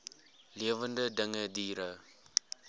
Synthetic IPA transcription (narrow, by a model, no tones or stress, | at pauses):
liəvəndədəŋədiːɾə